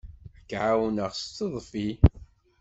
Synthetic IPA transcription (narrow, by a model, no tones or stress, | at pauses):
əkːʕawnəʁst͡sːəðˤfi